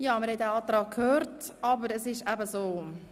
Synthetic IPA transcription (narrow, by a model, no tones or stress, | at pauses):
jɑːməɾhɛt̚dɛɑːtɾɑːk̚kʰøːɾt | ɑbəɾəsɪʃæbəsoː